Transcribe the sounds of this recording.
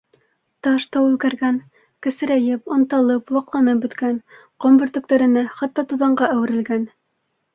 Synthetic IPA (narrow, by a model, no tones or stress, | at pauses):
t̪ɑʃt̪ɑʉðkæɾɡæn | kɘ̆sɘ̆ɾæjɘpŏnt̪ɑlˠɤplˠɑqlˠɑnɤp̚bɵ̆t̪kænqŏmbɵ̆ɾt̪ɵ̆k̚t̪æɾɘ̆næχɑt̪ːɑt̪uðɑɴɢɑʔæwɘ̆ɾɘ̆lɡæn